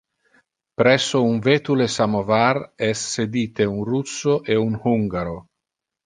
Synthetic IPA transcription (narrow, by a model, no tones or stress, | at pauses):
pɾɛsːouɱvet̪ulesamovarɛsːed̪iːt̪eunrusːoʔeunhuŋɡaɾo